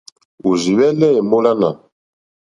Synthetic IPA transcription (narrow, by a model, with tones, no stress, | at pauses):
u˨zi˨wɛ˦lɛ˦e˨mbo˦la˦na̰˨